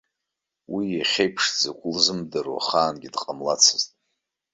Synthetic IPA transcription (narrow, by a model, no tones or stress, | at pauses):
wijaχʲejpʰʂd͡zakʷʼʊlzɨmdaɾwa̰χaːnɡʲidqʼamlat͡sʰɨztʼ